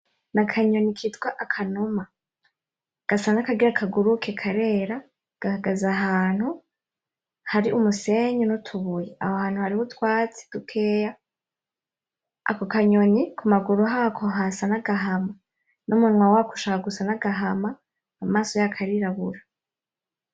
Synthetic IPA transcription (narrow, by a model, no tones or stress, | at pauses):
nakʰaɲo̞nikʰitɡwaʔakʰanuma | ɡ̥asanakaɡiɾakʰaɡuɾukʰekʰaɾe̞ːɾa | ɡ̥ahaɡazaɦaːn̥hu | haɾiʔumuseɲunutʰuβujeʔahohaːn̥huhaɾihutwaːt͡si̥d̥ukʰe̞ːja | a̰kokaɲonikʰumaɡuɾuɦakʰoɦasanaɡaɦama | numunŋwawaku̥ʃakaɡusanaɡaɦamaː | maːsojakʰaɾiɾaβuɾa